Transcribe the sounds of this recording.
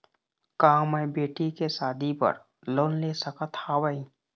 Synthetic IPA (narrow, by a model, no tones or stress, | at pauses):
kaːməjbeːʈikesaːd̪ʱipə̰ɾ | loːnleːsəkət̪aːwəi